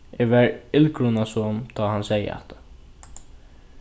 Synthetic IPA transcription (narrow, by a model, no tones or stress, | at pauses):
ɛʋɛɹɪlkɾʊnasɔmt̪ʰaːhansɛjə̰a̰ht̪ʰḁ